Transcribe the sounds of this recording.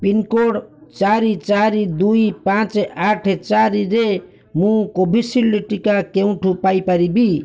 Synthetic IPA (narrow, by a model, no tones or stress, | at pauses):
pinkoɽt͡saɾit͡saɾid̪ujpãt͡saʈʰt͡saɾiɾe | mũkobʱisilːiʈikakew̃ʈʰupajpaɾibi